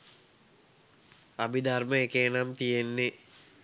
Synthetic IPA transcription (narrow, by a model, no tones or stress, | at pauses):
abid̪arməekeːnamt̪ijenːe